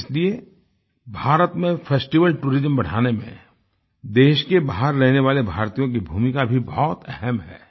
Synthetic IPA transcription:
ɪslie | bʱaːɾət̪mẽfʰeːsʈiʋəlʈuːɾɪzəmbɐɽ̤aːnemḛ̃ | d̪eːʃkebaːɦəɾːɛɦneʋaːlebʱaːɾt̪ijõk̬ibʱuːmikabʱibɔːt̪ɛɦɛmɦɛ̰ː

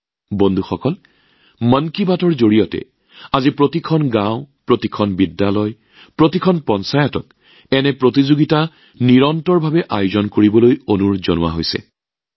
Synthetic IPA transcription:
bondʱuxɔkɔl | mənkibatɔɹzoɹijɔtɛ̰ | azipɹotikʰɔnɡãw̃pɹotikʰɔnbidːalɔj | pɹotikʰɔnpɔnsajɔtɔk̚ | ɛnɛpɹotizoɡita | niɹɔntɔɹbʱabɛʔajʊzɔnkoɹibɔlojonuɹzɔnʊwa̰ɦojsɛ̰

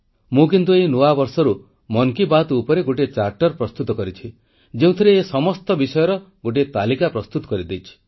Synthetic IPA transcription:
mũk̬int̪̬uejnuabɔɾsɔɾu | mɔŋkibat̪ːpɔɾeɡoʈet͡ʃaɾʈɔɾpɾɔst̪ut̪ɔkɔɾit͡ʃʰi | d͡ʒeũt̪ʰiɾeːsɔmɔst̪ɔbisɔjɔɾɔɡoʈ̬et̪alikapɾɔst̪ut̪ɔ̥kɔɾid̪ejt͡ʃʰi̥

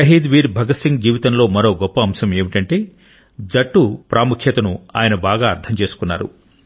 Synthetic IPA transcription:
ɐɦiːd̪ʋiːɾbʱɐɡɐsiŋɡd͡ʒiːʋit̪ɐnlo̞ːmɐɾo̞ːɡɔpːɐːmsɐme̞ːmiʈɐɳʈe̞ː | d͡ʒɐʈːupɾaːmukʰjɐt̪ɐnua̰ːjɐnɐbaːɡaːɾt̪ʰɐmt͡ʃe̞ːsu̥kunːa̰ːɾṵ

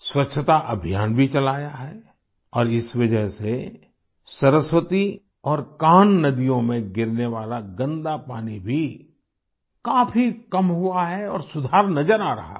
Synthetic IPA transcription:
swɐtːʃʰət̪aʔɐbʱijaːnbʱit͡ʃɐlaːjaɦɛː | ɔːɾɪsʋɐd͡ʒəɦse | sɐɾəswət̪i | ɔːɾkaːnːɐd̪ijõmẽɡɪɾneʋaːlaɡɐ̃nd̪apaːnibʱi | kaːfʰikɐmɦʊaɦɛɔ̰ːɾsʊd̪ʱaːɾnɐd͡ʒəɾaːɾɐ̰ɦa̰

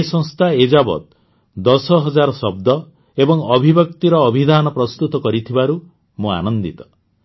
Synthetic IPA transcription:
sɔ̃ŋst̪ʰaed͡ʒabɔ̰t̪ | d̪ɔsɔɦɔd͡ʒaɾɔsɔbd̪ɔ | ebɔŋɔbʱibjɔk̚t̪iɾɔːbʱid̪ʱanɔpɾɔst̪ut̪ɔkɔɾit̪ʰibaɾu | mũa̰nɔnd̪it̪ɔ̥

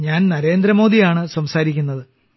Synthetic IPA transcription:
ɲaːnnɐɾe̞ːnd̪ɾɐmo̞ːd̪ijaːɳɨsɐmsaːɾikʲːunːɐðɨ

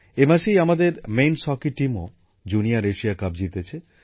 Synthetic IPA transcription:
emaʃejamad̪eɾmejnsɔkiʈimo | d͡ʑuniaɾeʃiakab̚d͡ʑit̪et͡ɕʰe

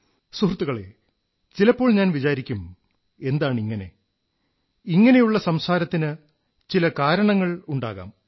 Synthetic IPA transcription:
surt̪ːuɣɐɭḛ | t͡ɕilɐpːo̞ːɭɲaːnʋit͡ɕaːɾikʲːum | e̞nd̪aːɳiŋːɐne̞̰ | iŋːɐne̞juɭːɐsɐmsaːɾɐt̪ːinɨ | t͡ɕilɐkaːɾɐɳɐŋːɐɭuɳɖa̰ːɣa̰ːm

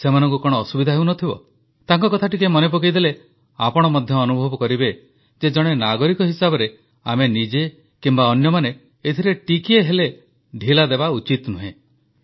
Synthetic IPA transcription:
semanɔ̃ŋk̬ukɔɽ̃ɔːsubid̪ʱaɦewnɔt̪ʰibɔ̰ | t̪aŋkɔkɔt̪ʰaʈikemɔnep̬okejd̪ele | apɔɽ̃ɔmɔd̪ʱjɔːnubʱɔbɔkɔɾibe | d͡ʒed͡ʒɔɽ̃enaɡɔɾikɔɦisabɔɾe | a̰menid͡ʒe | kimbaɔnjɔmane | et̪ʰiɾeʈikieɦele | ɖʱilad̪ebaut͡ʃit̪nuɦḛ̃

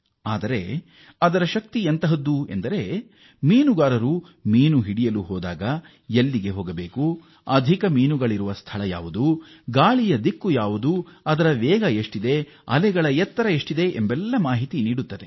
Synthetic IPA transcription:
aːd̪ɐɾe̞̰ | ɐd̪ɐɾɐʃɐk̚t̪iɐnt̪ɐɦɐd̪ːue̞̰nd̪ɐɾe̞ | miːnuɡaːɾɐɾu | miːnuɦiɽijɐluɦɔːd̪aːɡɐ | jelːiɡe̞ɦoːɡɐbeːku | ɐd̪ʱikɐmiːnuɡɐɭiɾuʋɐst̪ʰɐɭɐja̰ːʋud̪u | ɡaːɭijɐd̪ikːujaːʋud̪uɐd̪ɐɾɐʋɛːɡɐeʂʈid̪e̞ | ɐ̰lɛɡɐɭɐjɛt̪ːɐɾɐeʂʈid̪e̞ʔembɛlːɐmaːɦit̪iniːɽut̪ːɐd̪e̞

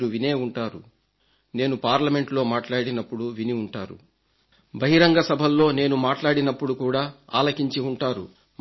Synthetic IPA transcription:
ɾuʋine̞ːuɳʈaːɾu | ne̞ːnupaːɾlɐme̞ɳʈlo̞ːmaːʈlaːɽinɐpːuɽuʋiniuɳʈaːɾṵ | bɐɦiɾɐŋɡɐsɐbʱɐlːo̞ːne̞ːnumaːʈlaːɽinɐpːuɽukuːɽaːa̰ːlɐkiɲt͡ʃiuɳʈaːɾṵ

